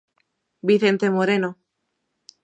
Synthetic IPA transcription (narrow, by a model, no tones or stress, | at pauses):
biθent̪emoɾeno